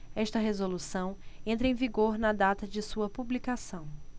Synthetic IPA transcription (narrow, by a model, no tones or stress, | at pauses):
ɛʃt̪ɐɦezolusɐ̃w̃ẽnt̪ɾɐẽviɡoɾnɐd̪at̪ɐd͡ʒɪsuɐpublikasɐ̃w̃